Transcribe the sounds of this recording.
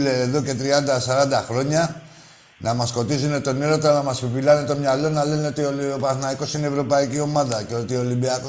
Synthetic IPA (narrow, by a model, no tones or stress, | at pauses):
leːðoket̪ɾiad̪asaɾad̪akloɲa | namaskot̪is̬inet̪oneɾot̪anamaspipilanet̪omɲalonalenet̪ioliɾopasnaekosineβɾopaekiomad̪aket̪iolibeak